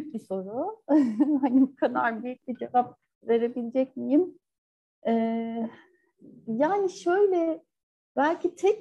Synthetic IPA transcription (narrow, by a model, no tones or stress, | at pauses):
yyc̚biso̞ɾʊ | ɦanibukʰana̰ɾbyjyc̚bid͡ʒevap̚ | ve̞ɾe̞bilʲed͡ʒɛc̚mijim | ɛː | jaːniʃø̞jlʲɛ | bælʲcʰit̪ʰɛc̚